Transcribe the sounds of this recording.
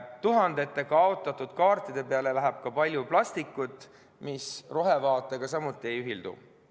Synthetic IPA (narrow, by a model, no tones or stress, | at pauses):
t̪uɦɑnd̪̥e̞t̪ːe̞kɑɑot̪ːˑɑt̪ːˑud̪̥kɑːrt̪ːˑid̪̥e̞peɑle̞læɦæb̥̚kɑpɑlʲjuplɑst̪ikːˑut̪ˑː | misro̞ɦe̞vɑːt̪ːˑe̞ɡ̥ɑsɑmut̪ːˑie̞jyɦild̪̥ṵ